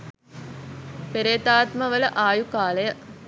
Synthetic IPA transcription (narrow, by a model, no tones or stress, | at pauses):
peɾeːt̪aːt̪məʋələʔaːjukaːlɐjə